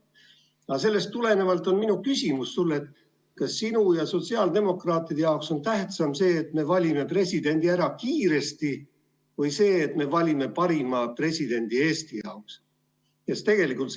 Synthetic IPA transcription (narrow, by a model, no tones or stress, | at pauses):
ɑs̬e̞lːe̞st̪ːule̞ne̞vɑlt̪ˑo̞nminukysʲimusːulːe̞t̪ | kɑsːinujɑso̞t̪siɑːld̪e̞mo̞krɑːt̪ːˑid̪e̞jɑokso̞nt̪æht̪sɑmse̞ːt̪me̞vɑlʲime̞pre̞sʲid̪̥e̞nʲd̪̥iæɾɑkiːɾe̞st̪i | vɤjse̞ːt̪me̞vɑlʲime̞pɑɾimɑpre̞sʲid̪̥e̞nʲd̪̥ie̞ːst̪ijɑ̰oks | jest̪e̞ɡ̥e̞likˑult̪